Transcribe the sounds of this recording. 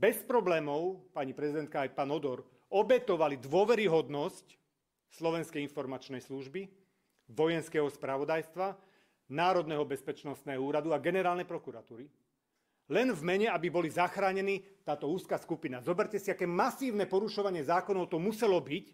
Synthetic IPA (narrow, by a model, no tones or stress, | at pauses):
bɛspɾɔblɛːmɔʊpaɲipɾɛzid̪ɛnt̪̚kaːjpaːnɔd̪ɔɾ | ɔbɛt̪ɔʋalid̪ʋɔʋɛɾiɦɔd̪nɔsc | slɔʋɛnskɛjinfɔɾmat͡ʃnɛjsluʒbi | ʋɔjɛnskɛːɦɔspɾaʋɔd̪ajst̪ʋa | naːɾɔd̪nɛɦɔbɛspɛt͡ʃnɔst̪nɛɦɔuːɾad̪uaɡɛnɛɾaːlnɛjpɾɔkuɾat̪uːɾi | lɛnvmɛɲɛabibɔlizaxɾaːɲɛniːt̪aːt̪ɔuːskaskupinazɔbɛɾcɛsiakɛːmasiːʊnɛpɔɾuʃɔʋaɲɪɛzaːkɔnɔʊt̪ɔmusɛlɔbic